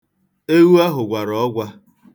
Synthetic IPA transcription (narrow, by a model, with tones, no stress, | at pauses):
e˦wu˦a˦ɦʊ˨ɡʷa˨ɾɔ˨ɔ˦ɡʷa˦